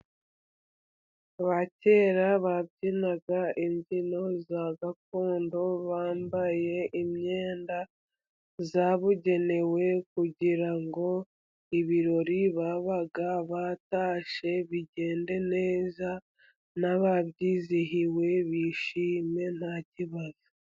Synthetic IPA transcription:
βace̞ːɾaβabɟinaɡaimɟino̞zaɡakoːndo̞βaːmbaje̞ʔimɲe̞ːnda | zaβuɟe̞ne̞we̞kuɟiɾaŋɡo̞ | iβiɾo̞ɾiβaːβaɡaβataːʃe̞βiɟe̞ːnde̞ne̞ːza | naβaβɟiːziɦiwe̞βiʃiːme̞n̥haciβazi

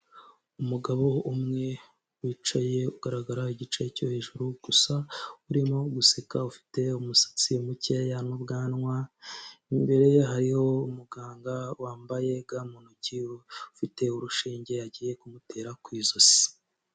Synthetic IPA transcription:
umuɡaβo̞umŋe̞ | wiːt͡ʃaje̞uɡ̥aɾaɡaɾaiɟit͡ʃeco̞̰he̞ːʒuɾuɡ̥usauɾimoɡusekaufi̥te̞umusḁt͡siumucejanubɡaːnŋwaimbe̞ɾe̞jeɦaɾiho̞umuɡaːŋɡawaːmbaje̞ɡaːmunuciwufite̞uɾuʃiːɲɟe̞aɟiːje̞kumute̞ːɾakwiːzozi̥

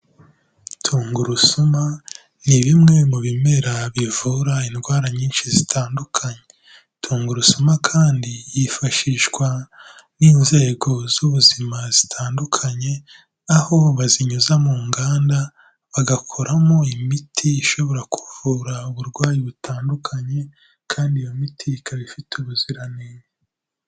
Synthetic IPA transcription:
tʰuːŋɡuɾusuma | niβimŋe̞muβime̞ɾaβivuɾainɡwaːɾaɲiːnʃizitʰaːndukʰaɲe̞ | tʰuːŋɡuɾusumakʰaːndijifaʃiːʃɡwa | niːnze̞ːɡo̞zuβuzimazitʰaːndukʰaɲe̞ | aho̞βaziɲuzamuːŋɡaːnda | βaɡakʰoɾamo̞imitʰiːʃo̞βo̞ɾakʰuv̥uːɾauβuɾɡwaːjiβutʰaːndukʰaɲe̞ | kʰaːndijomitʰikʰaβifitʰuβuziɾaneɲe

